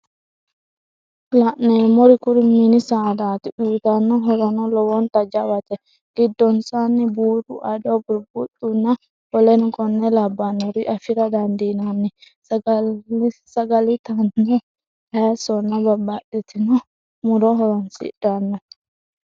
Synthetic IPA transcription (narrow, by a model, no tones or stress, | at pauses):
laʔnemɔɾɪkʊɾɪminɪsaːd̪aːt̪ɪʔiːt̪anːɔɦɔɾɔnɔlɔwɔnt̪ɐd͡ʒɐwɐt̪ɛ | ɡ̥ɪd̪ːɔnsanːɪbuːɾṵʔɐdɔɡʊɾbʊt̪ʼːunːɐ | wɔlɛnkʼɔnːɛlɐbːanːɔɾɪʔɐfɪɾɐd̪ɐnd̪inanːɪ | sɡ | sɐɡɐlɪt̪anːɔ | hɛsɔnːɐbɐbːɐtːit̪ɪnɔ | mʊɾɔɦɔɾɔnsɪ̰d̥anːɔ